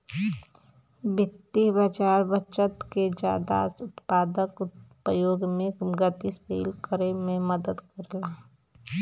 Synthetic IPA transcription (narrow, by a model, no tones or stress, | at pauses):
bɪt̪ːibət͡ʃaːɾbət͡ʃət̪ked͡ʒa̰ːd̪a̰ʊt̪paːd̪əkpəjoːɡmẽɡət̪isḛːlkəɾemẽməd̪əd̪kəɾla